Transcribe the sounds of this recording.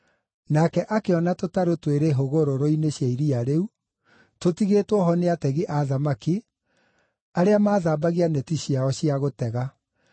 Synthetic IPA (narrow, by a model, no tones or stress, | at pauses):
nakɛʔakeɔnatotaɾotweɾeɦoɣoɾoɾoineɕjaiɾiaɾeu | totiɣetwɔɦɔneatɛɣiʔaðamaki | aɾeamaːðaːbaɣianɛtiɕiaɔɕiaɣotɛɣa